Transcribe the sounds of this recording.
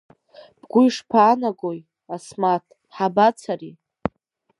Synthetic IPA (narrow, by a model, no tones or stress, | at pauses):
b̥ɡʷʊjʂpʰaːnaɡoj | asmatʰ | ħabat͡sʰari